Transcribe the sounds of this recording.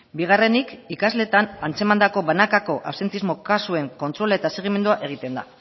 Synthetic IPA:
biɣ̞are̞nikikazle̞ːt̪anant͡se̞mand̪ako̞βanakako̞ʔawse̞nt̪izmo̞kasue̞ŋko̞nt̪ɾo̞laet̪ase̞ɣ̞ime̞nd̪uaʔe̞ɣ̞it̪e̞nd̪a̰

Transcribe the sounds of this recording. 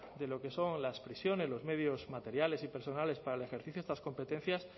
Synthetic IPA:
d̪e̞lo̞ke̞so̞ŋlaspɾisjo̞ne̞zlo̞zme̞ð̞jo̞zmat̪e̞ɾjalesipe̞ɾso̞nale̞spaɾale̞xeɾθiθjoest̪asko̞mpe̞t̪ẽ̞n̟θjas

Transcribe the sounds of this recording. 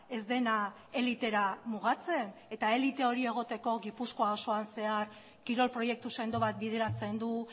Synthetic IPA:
e̞zd̪e̞na | e̞lit̪e̞ɾamuɣat͡se̞ne̞t̪ae̞lit̪e̞o̞ɾie̞ɣ̞o̞t̪e̞ko̞ɣipusko̞aoso̞anse̞aɾ | kiɾo̞lpɾo̞je̞k̚t̪usend̪o̞βat̪̚biðe̞ɾat͡se̞nd̪u

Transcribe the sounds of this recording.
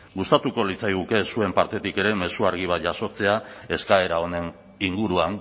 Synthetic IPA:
ɡust̪at̪uko̞lit͡sajɣuke̞sue̞mpaɾt̪e̞t̪ike̞ɾe̞me̞suaɾɣ̞iβat̪ʝaso̞t͡se̞ae̞skae̞ɾao̞ne̞n | iŋɡuɾuaŋ

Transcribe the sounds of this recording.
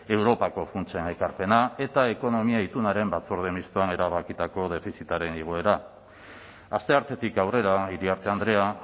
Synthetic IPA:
e̞wɾo̞pako̞funt͡ʃene̞kaɾpe̞nae̞t̪ae̞ko̞no̞miait̪unaɾe̞mbat͡suɾð̞e̞mist̪oane̞ɾaβakit̪ako̞ð̞e̞fisit̪aɾe̞niɣ̞oe̞ɾa | ast̪e̞aɾt̪e̞t̪ikawre̞ɾaiɾiaɾt̪e̞and̪ɾe̞a

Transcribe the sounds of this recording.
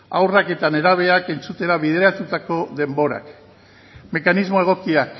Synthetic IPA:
a̰wrake̞t̪ane̞ɾaβ̞e̞ake̞nt͡sut̪e̞ɾaβið̞e̞ɾat̪ut̪ako̞ðe̞mbo̞ɾa̰k | me̞kanizmo̞e̞ɣ̞o̞kiak

